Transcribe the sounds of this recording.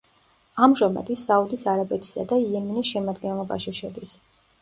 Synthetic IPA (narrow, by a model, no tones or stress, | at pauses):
amʒamɛ̰d̪isaud̪isaɾabɛt̪ʰi̥sa̰d̪aiɛmɛnisʃɛmad̪ɡɛnlˠɔba̰ʃiʃɛd̪is